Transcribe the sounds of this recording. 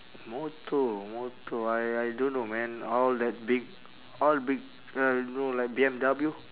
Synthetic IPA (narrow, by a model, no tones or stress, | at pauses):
mot̪ʰomot̪oajajdõnːomɛ̃nɔldɛt̚bik̚ | ɔlbik̚ | anolajk̚biɛ̃mdablju